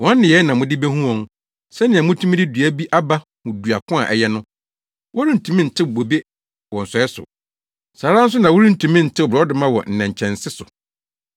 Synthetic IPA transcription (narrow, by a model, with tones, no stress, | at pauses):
wɔ̃˦nː˦ɪ̃˨jɛ˨˦nã˨mʊ̃˦dɪ˦be˦hũ˦ɔ̃˨ŋ˦ | sɛ˦nɪ̃˨ã˨mʊ̃˦tʰũ˦m̃˦dɪ˦du˨æ˦bi˦ʔa˦ba˦ | hʊ̃˨du˨a˨kʰʊ̃˦a̰˨ʔɛ̰˨jɛ˦nʊ̃˦ | wɔ˦ɾĩ˦n̩˨tʰũ˨mĩ˦n̩˨tʰɪ˦˨bo˨be˦ | wɔ˨n̩˨sɔ˨˦ɛ˦sʊ̰˨ | saː˨ɾã˦n̩˦s̬ʊ˦nã˨wɔ˦ɾĩ˦n̩˨tʰũ˨mɪ̃˦n̩˨tʰɪ˦˨bɾɔ˨˦dɪ˨˦mã˦wɔ̰˨n̩˨nɛ̃˨ɲ˨t͡ɕʰɛ̃˨n̩˨sɪ˦sʊ˨